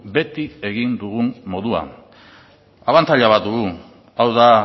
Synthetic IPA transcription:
be̞t̪ie̞ɣind̪uɣummo̞ðua̰ | aβantt͡s̪aʎaβat̪d̪uɣu | awða

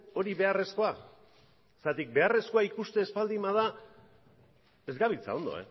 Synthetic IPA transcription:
o̞ɾiβe̞are̞sko̞a | sat̪ik̚be̞are̞sko̞aikust̪e̞ːspald̪imað̞a | e̞zɡaβit͡sa̰o̞nd̪o̞̰ḛ

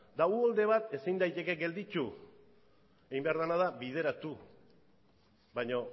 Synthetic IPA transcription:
d̪aɣuold̪e̞β̞at̪e̞sind̪ajt̪e̞ke̞ɡe̞ld̪it͡ʃu | eɣimbe̞aɾðanaðaβið̞e̞ɾat̪u | βaɲo̞

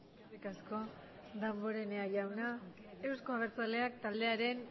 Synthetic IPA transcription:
rikasko̞ | ðambo̞ɾe̞neaʝawna | e̞wsko̞aβ̞e̞ɾt͡sale̞ak̚t̪ald̪e̞aɾe̞n

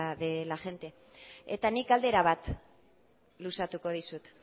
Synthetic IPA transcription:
ðelaʝe̞nt̪e̞ | et̪anikald̪e̞ɾaβat̪ | lusat̪uko̞ð̞isut̪

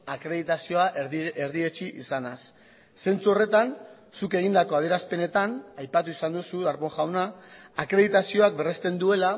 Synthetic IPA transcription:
akɾeðit̪asio̞aʔeɾðie̞t͡ʃiʔḭsanasː | e̞nt͡suo̞re̞t̪an | suke̞ɣ̞ind̪ako̞að̞e̞ɾaspe̞ne̞t̪anajpat̪uisand̪usuðaɾβo̞ŋʝawnaakɾe̞ðit̪asio̞ak̚be̞re̞st̪e̞nd̪ue̞la

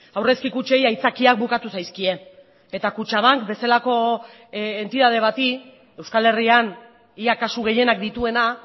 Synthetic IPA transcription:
awre̞skikut͡ʃe̞jajt͡sakiak̚bukat̪usajskie̞n | e̞t̪akut͡ʃaβaŋkbe̞selako̞ | ent̪iðað̞e̞β̞at̪i | e̞wskale̞rian | iakasuɣe̞je̞nak̚d̪it̪ue̞na

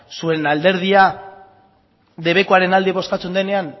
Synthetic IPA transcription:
sue̞nald̪e̞ɾð̞ia | ðe̞βe̞ko̞aɾe̞nald̪iβo̞skat͡se̞nd̪ene̞an

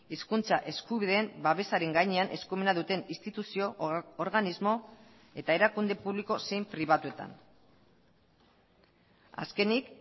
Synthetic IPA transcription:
iskunt͡saʔe̞skuβiðe̞ːmbaβe̞saɾe̞ŋɡajɲe̞anʔe̞skume̞naðut̪e̞nist̪it̪usio̞ːɾɣanizmo̞ | e̞t̪ae̞ɾakund̪e̞puβliko̞se̞jmpɾiβ̞at̪ue̞t̪a̰n | a̰ske̞nik

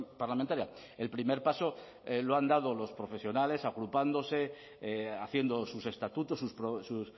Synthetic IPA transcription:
paɾlamẽnt̪aɾja | e̞lpɾime̞ɾpaso̞ | loand̪aðo̞lo̞spɾo̞fe̞sjo̞nale̞saɣɾupand̪o̞se̞ | aθje̞nd̪o̞suse̞st̪at̪ut̪o̞sːuspɾosus

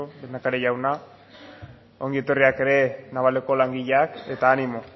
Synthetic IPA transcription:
od̪enakaɾejawna | o̞ŋɡie̞t̪o̞riake̞ɾe̞naβale̞ko̞laŋɡiʎeake̞t̪aːnimo̞

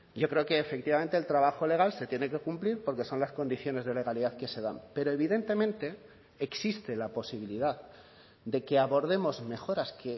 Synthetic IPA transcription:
ɟ͡ʝo̞kɾe̞oke̞ːfe̞k̚t̪iβamẽnt̪elt̪ɾaβ̞axo̞le̞ɣ̞alse̞t̪je̞ne̞ke̞kumpliɾpo̞ɾke̞so̞nlasko̞nd̪iθjo̞ne̞zðe̞le̞ɣaliðaðke̞se̞ðampe̞ɾo̞e̞β̞iðe̞nt̪e̞mẽnt̪e̞ː | ksist̪e̞lapo̞siβ̞iliðað | d̪e̞ke̞aβo̞ɾð̞e̞mo̞zme̞xo̞ɾaske̞

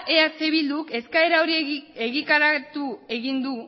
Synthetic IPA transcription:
ʔe̞ase̞βild̪uke̞skae̞ɾaoɾie̞ɣit̪aɾat̪ue̞ɣind̪u

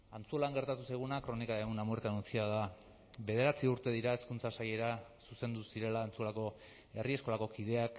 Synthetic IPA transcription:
ant͡sulaŋɡeɾt̪at̪usajɣ̞unakɾo̞nikaeɣunamueɾt̪anunt͡siað̞a | βe̞ð̞e̞ɾat͡siuɾt̪e̞ðiɾae̞skunt͡sasaje̞ɾasuse̞nd̪usiɾe̞laːnt͡sulako̞ | e̞rie̞sko̞lako̞kið̞e̞ak

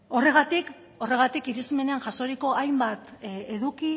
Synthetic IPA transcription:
o̞re̞ɣ̞at̪ik | o̞re̞ɣ̞at̪ikiɾisime̞ne̞anʝaso̞ɾiko̞ajmbat̪e̞ðuki

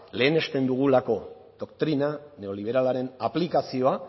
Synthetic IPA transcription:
le̞ːne̞st̪e̞nd̪uɣ̞ulako̞ | ðo̞kt̪ɾinane̞o̞liβ̞e̞ɾalaɾe̞naplikasio̞a

